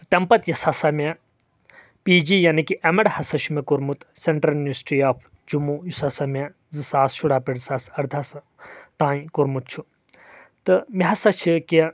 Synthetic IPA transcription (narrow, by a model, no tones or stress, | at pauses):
ɨt̪ɐmpɐt̪jɐsɐsɐmɐ | piːd͡ʒijanikiʔɐmɐɽhɐsɐʃʰumekuɾmut̪seɳʈɾɐlinɐsi̥ʈɾiaːpʰ | d͡ʒumujusɐsɐme | zɨsaːsʃʰuɽaːpiɽsasɐɾd̪ʱɐsɨ | t̪ãːĩkuɾmut̪̚t͡ʃʰu | t̪ɨmiɦɐsɐt͡ʃʰiki